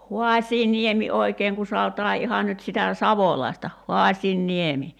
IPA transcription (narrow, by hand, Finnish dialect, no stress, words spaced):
huɑsʲiːniemi oi̞keːŋ ku sɑotɑː ihɑ nyt sitæ sɑʋolɑi̞stɑ hoɑsʲiːnːiemi